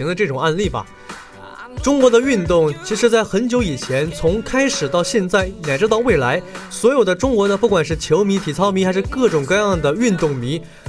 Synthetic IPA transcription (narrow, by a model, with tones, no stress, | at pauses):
i˧˥ŋd̪ə˧ʈ͡ʂɤ˥˩ʈ͡ʂʊ˨˩ŋa˥˧nli˥˩bɐ̰˩ | ʈ͡ʂʊ˥ŋkwɔ˧˥d̪ə˧y˥˧nt̪ʊ˥˩ŋt͡ɕʰi˧˥ʂɻ̩˧˥t͡sa˥˩ɪxə˧˥nt͡ɕjo˧˥ʊi˨˩t͡ɕʰjɛ˧˥nt͡sʰʊ˧˥ŋkʰa˥ɪʂɻ̩˨˩t̪ɑ˥˧ʊɕjɛ˥˧nt͡sa˥˩ɪna˨˩ɪʈ͡ʂɻ̩˥t̪ɑ˥˧ʊwe˥˩ɪla˧˥ɪswɔ˧˥jo˨˩ʊd̪ə˦ʈ͡ʂʊ˥ŋkwɔ˧˥d̪ə˧pu˥˩kwa˨˩nʂ̬ɻ̩˥˩t͡ɕʰjo˧˥ʊmi˧˥t̪ʰi˨˩t͡sʰɑ˥ʊmi˧˥xa˧˥ɪʂɻ̩˥˧kɤ˥˩ʈ͡ʂʊ˨˩ŋkɤ˥˧jɑ˥˩ŋd̪ə˩y˥˧nt̪ʊ˥˩ŋmi˧˥